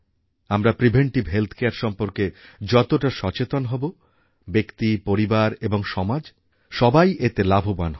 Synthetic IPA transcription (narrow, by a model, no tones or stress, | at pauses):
amɾapɾibʱeɳʈibɦelt̪ʰkeaɾʃɔmpoɾked͡ʑɔt̪oʈaʃɔt͡ɕet̪onɦɔbo | bekt̪ipoɾibaɾeboŋʃɔmad͡ʑ | ʃɔbajʔet̪elabʱobanɦ